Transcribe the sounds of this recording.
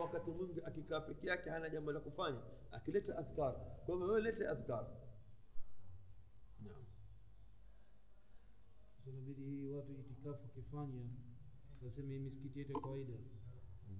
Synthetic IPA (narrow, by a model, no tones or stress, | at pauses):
wakatimwiŋɡiakikaːpɛkɛjakɛhanaʄambɔlakufaɲa | a̰kilɛtɛʔaθkaɾikwaimawɛɛlɛtɛaθkaɾi | nam | nasɛmaɓiɗihiwatuitikafuakifaɲa | wasɛmahimisi̥kitijɛtujakawaiɗa